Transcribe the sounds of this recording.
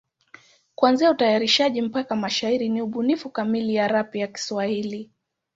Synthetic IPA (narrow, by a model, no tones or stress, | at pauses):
kuanziautajaɾiʃaʄim̩pakamaʃaiɾiniuɓunifukamilijaɾapijaki̥swahili